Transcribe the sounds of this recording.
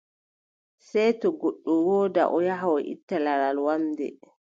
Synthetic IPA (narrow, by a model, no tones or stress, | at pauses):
sɛjtɔɡoɗːumwɔːda̰ʔɔjaɦawɔʔḭtːalaɾalwamdɛ̰